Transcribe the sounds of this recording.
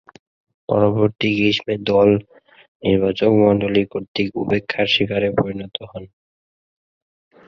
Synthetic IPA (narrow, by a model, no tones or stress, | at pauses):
pɔ̰ɾoboɾt̪iɡɾiʃmed̪ɔl | niɾbat͡ɕokmɔɳɖolikoɾt̪ikupekʰːaɾʃikaɾepoɾinɔt̪oɦɔn